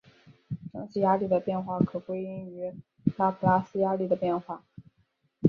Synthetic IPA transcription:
ʂɑ˥ŋɕi˥˩ja˥li˥˩d̪ə˩pjɛ˥˧nxwa˥˩kʰɤ˨˩kwe˥ɪi˥ŋy˧˥ | la˥pʰu˧˩la˥˩sɹ̩˥ja˥li˥˩d̪ə˩pjɛ˥˧nxwa˥˩

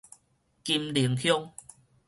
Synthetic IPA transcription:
ki˧mli˨˩˦əŋkʰjɔ˦˧ŋ

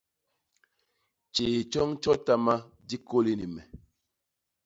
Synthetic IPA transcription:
t͡ʃeː˨t͡ʃɔ˦ŋt͡ʃɔ˦ta˦ma˦ | di˦ko˦li˦ni˨mɛ˨

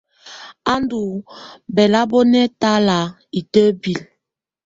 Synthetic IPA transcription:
a˦ndu˨bɛ˨la˦bɔ˦nɛ˦ta˦la˨ | i˨tə˦bi˨l

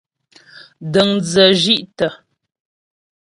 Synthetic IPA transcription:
də˨ŋd͡zə˨ʒi˦ʔtə˨

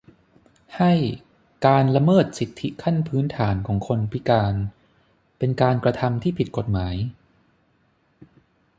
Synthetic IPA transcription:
ha˥˩j | kaː˧nla˧mɤː˥˩t̪̚si˨˩t̪ʰːi˦˥kʰa˥˩npʰɯː˦˥nt̪ʰaː˩˦nkʰɔː˩˦ŋkʰo˧npʰi˦˥kaː˧n | pe˧nkaː˧nkɾa˧t̪ʰa˧mt̪ʰiː˥˩pʰi˨˩t̪̚ko˨˩t̪̚maː˩˦j

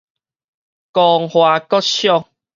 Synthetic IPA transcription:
kɔ˨ŋhwa˨kɔ˦t̚ɕjɔ˥˧ŋ

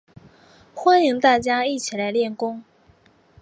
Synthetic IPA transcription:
xwa˥ni˧˥ŋt̪a˥˩t͡ɕja˥i˥˩t͡ɕʰi˨˩la˧˥ɪljɛ˥˩nkʊ˥ŋ

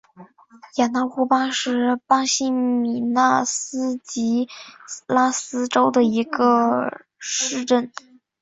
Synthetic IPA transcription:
ja˨˩na˥˧xu˥˩pa˥ʂɻ̩˥˩pɑ˥ŋɕi˥mi˨˩na˥˩sɹ̩˥t͡ɕi˧˥la˥sɹ̩˥ʈ͡ʂo˥ʊd̪ə˨i˧˥ɡə˧ | ʂɻ̩˥˧ʈ͡ʂə˥˩n

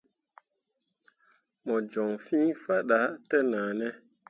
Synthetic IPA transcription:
mɔ˨d͡ʒɔ˨ŋfĩ˦fa˦ɗa˨˦tɛ˦na˨nɛ˦

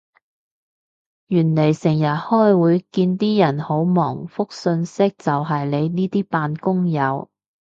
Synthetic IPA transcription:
jyː˨˩nle˨˩jsɪ˨˩ŋjɐ˨t̚hɔː˥jwuː˨˧jkiː˧nt̪iː˥jɐ˨˩nho˨˥wmɔ̰ː˨˩ŋfʊ˥k̚sɵ˧nsɪ˥k̚t͡sɐ˨wɦɐ˨jle˨˧jniː˥t̪iː˥paː˧nkʊ˥ŋjɐ˨˧w

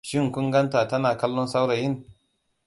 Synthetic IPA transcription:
ʃɪ˦ŋ˨kʷʊ˦ŋɡɐ˦ntaː˨tɐ˦naː˨kɐ˦lːɔ˦nsa˦wɽa˨jɪ˦n

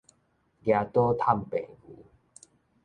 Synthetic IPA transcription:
dja˧t̪ɔ˦t̪ʰa˥˨mpẽ˨˩˨ɡṵ˨˦

